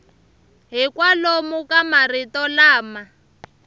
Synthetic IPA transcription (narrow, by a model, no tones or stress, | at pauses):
ɦikwalomukamaritɔlaːma